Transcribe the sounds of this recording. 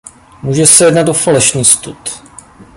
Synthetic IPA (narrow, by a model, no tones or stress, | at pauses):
muːʒɛsɛjɛdnat̪ʔofalɛʃniːst̪ut̪